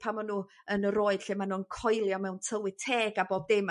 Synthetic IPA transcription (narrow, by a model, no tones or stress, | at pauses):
pʰamɔnuː | ənəɾoːɨd̥ɬemanuːənkʰɔjlˠjɔmɛwntʰəwɪ̥tʰeːɡaboːb̚dɪm